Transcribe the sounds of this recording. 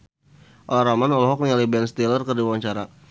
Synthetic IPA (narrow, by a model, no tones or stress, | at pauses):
ʔɔlaɾamanɔlɔɦɔk̚niŋalibɛnst̪ilərkərdiwawaɲt͡ʃaɾa